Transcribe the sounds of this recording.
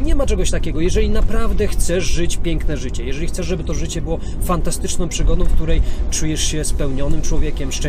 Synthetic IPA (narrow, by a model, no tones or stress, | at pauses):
ɲɛmat͡ʂɛɡɔɕt̪akʲɛɡɔjɛʐɛlʲinapɾavd̪ɛxt̪sɛʐʐɘt͡ɕpʲjɛŋknɛʐɘt͡ɕɛjɛʐɛlʲixt̪sɛʐʐɛbɘt̪ɔʐɘt͡ɕɛbɘwɔ | fant̪ast̪ɘt͡ʂnɔ̃w̃pʂɘɡɔd̪ɔ̃w̃fk̚t̪uɾɛjt͡ʂujɛʂɕɛspɛwɲɔnɘmt͡ʂwɔvʲjɛkʲɛmʂt͡ʂɛ̃